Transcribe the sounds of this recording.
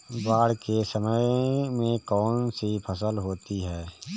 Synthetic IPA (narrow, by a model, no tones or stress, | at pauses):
baːɽkesəməjmẽkɔːnsipʰəsəlɦoːt̪iɦɛː